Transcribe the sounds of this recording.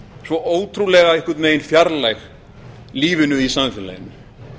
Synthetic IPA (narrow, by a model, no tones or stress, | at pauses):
svɔʔoːwt̪ʰɾulɛɣaɛhkɪɾt̪meːjɪnfjaɾlɛx | liːvɪnʏisanfɪlːa̰jɪnːʏ